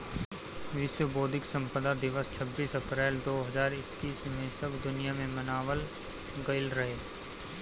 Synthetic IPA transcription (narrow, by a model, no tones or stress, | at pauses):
ʋɪʃwəboːd̪ʱɪksə̃mpəd̪ad̪ɪʋəst͡ʃʰəbːiːsɐpɾɛːld̪oːɦɐzaːɾɪkːiːsmẽsɐbd̪ʊnijamẽmɐnaːʋəl | ɡɐɪlɾɐɦeː